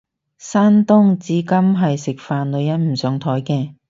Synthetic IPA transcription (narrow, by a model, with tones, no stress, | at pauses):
saː˥nt̪ʊ˥ŋt͡siː˨˥kɐ˥mɦɐ˨jsɪ˨k̚faː˨nlɵ˨˧ɥjɐ˨˥nm̩˨˩sœː˨˥ŋt̪ʰɔː˨˥jkɛː˧